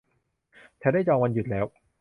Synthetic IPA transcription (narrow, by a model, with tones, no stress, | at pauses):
t͡ɕʰɛ˨˩˦daː˥˩jt͡ɕɔː˧ŋwa˧nju˨˩t̪̚lɛː˦˥w